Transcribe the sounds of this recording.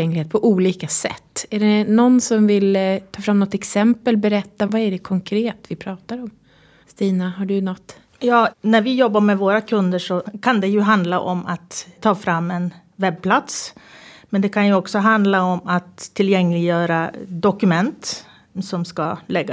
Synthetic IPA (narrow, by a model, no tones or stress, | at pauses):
ɛŋlɪheːt̪̚pʰɔʔuːliːkasɛ̰t̪ːæɖɛnɔnsɔmvɪlt̪ʰɑːfɾamnɔt̪ːɛksɛmpəlbɛɾɛt̪ːavaæɖɛkʰɔŋkʰɾeːt̪vɪpʰɾɑːt̪aɾɔm | st̪iːnaɦaɖɵnɔt̪ː | jɑːnæɾvɪjɔbːaɾmɛvoːɾakʰɵnd̪əʂɔkʰand̪ɛjɵɦand̪laʔɔma̰t̪ʰːɑːfɾamːɛn | vɛb̚pʰlat̪smɛnd̪ɛkʰanjɵɔksɔɦand̪laɔmat̪ʰːɪljɛŋːlɪɡjœːɾad̪ɔkɵmɛnt̪ | sɔmskalɛɡːa